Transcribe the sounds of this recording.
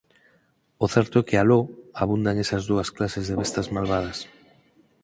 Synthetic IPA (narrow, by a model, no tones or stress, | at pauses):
oθɛɾt̪ʊɛkealoaβ̞und̪aŋesɐzðuɐsklasezðeβest̪azmalβað̞ɐs